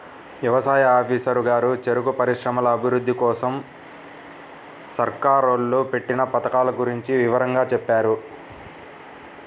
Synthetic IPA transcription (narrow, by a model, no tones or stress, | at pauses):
ʋjɐʋɐsaːjɐaːpʰiːsɐɾuɡaːɾut͡ʃeɾuɡupɐɾiʂɾɐmɐlɐːbʱiɾud̪ːikɔːsɐm | sɐɾkaːɾolːupe̞ʈːinɐpɐt̪ɐkaːlɐɡuɾiɲt͡ʃiʋiʋɐɾɐŋɡaːt͡ʃɛpːaːɾu